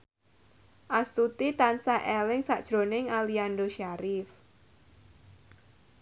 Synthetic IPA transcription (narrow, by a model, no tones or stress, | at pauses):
ʔast̪ut̪it̪ansaʔɛlɪŋsa̰ʔd̥ʒ̥ɾo̤nɪŋalianɖoʃaɾɪf